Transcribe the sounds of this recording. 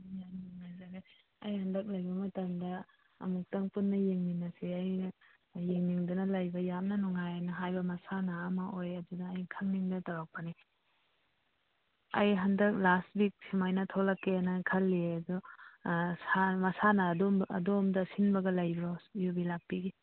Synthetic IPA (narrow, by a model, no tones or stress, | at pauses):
jamniŋnazaɡa | ɐjhɐndɐk̚lɐjbɐmɐtɐmdɐ̰ː | muk̚tɐŋpunːɐjeŋniŋnːɐseajː | eŋniŋdunɐlajbɐjamnɐnuŋajanɐɦajbɐmɐsanɐːmɐʔojɐdudɐːjkʰɐŋniŋdɐtaɾak̚pani | ɐjɦɐndɐk̚last̚bik̚simajnɐtʰolɐkːenakʰɐlːiɐdu | samɐsanɐdɔɐ̰domdɐsinbɐɡɐlɐjbɾɔjubilak̚piɡi